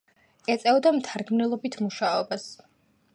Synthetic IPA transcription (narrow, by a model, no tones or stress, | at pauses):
ɛt̪sʼɛvd̪amt̪ʰaɾɡmnɛlˠɔbit̪ʰmuʃaɔbas